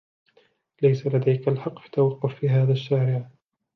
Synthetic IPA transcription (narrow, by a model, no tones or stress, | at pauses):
lajsalad̪ajkalħɑqːħt̪ːawɑqːʊffiːɦaːðaʃːaːɾɪʕ